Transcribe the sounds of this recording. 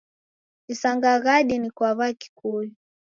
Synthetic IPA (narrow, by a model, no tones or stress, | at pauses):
isaŋɡaɣaɗinikwaβaki̥kuju